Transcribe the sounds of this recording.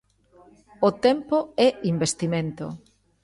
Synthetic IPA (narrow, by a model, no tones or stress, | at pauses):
ot̪ɛmpoɛimbest̪imẽnt̪o̰